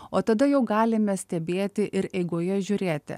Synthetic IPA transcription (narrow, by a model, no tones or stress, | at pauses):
oːt̪ɐd̪ɐjɛʊɡɑːlʲɪmʲɛsʲt̪ʲɛbʲeːt̪ʲɪʔɪɾɛɪɡoːjɛʒʲʊːɾʲeːt̪ʲɪ̰